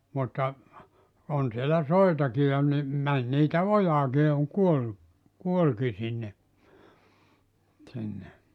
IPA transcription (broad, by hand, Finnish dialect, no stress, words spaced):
mutːɑ on sielæ soitɑki jɑ ni mæn niːtæ ojɑːki jɑ oŋ kuolːu kuolki sinːe sinːe